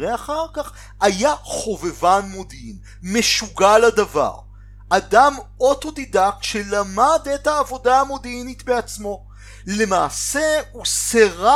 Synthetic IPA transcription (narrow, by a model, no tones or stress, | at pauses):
eaχaʁkaχ | ajaχo̞vevanmodin | me̞ʃuɡaladava̰ʁ | adamo̞t̪o̞d̪idakʃelamadetaːvo̞daːmo̞d̪initbeat͡smo̞ | le̞maːseuseʁa